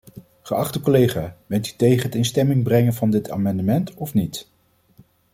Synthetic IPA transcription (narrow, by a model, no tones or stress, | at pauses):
χəɑχtəkolejχaːbɛnty̥tejχənɦətɪnstɛmɪŋbrɛŋənvɑndɪtʰa̰ːmɑndəmɛntɔfnit